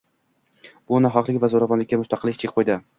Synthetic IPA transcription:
b̥ʊnaɦɒqlɪkʲvazoɾavɒnlɪkʲːamʊst̪ɑqɨlːɪk̚ʲt͡ʃʰekʲqʰojd̪ɪ

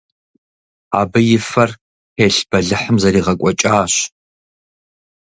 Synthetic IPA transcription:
a̰ːbɨjɪfɐr | eːɬb̥ɐɮɨħəmzɐɾiːʁɐkʷʼɔt͡ʃʼaːɕ

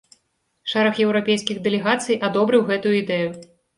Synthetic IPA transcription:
ʂɛɾɐxjɛwɾapʲejskʲiɣd̪ɛlʲɛɣat̪sɨjʔad̪ɔbɾɨwɣɛt̪ujuid̪ɛju

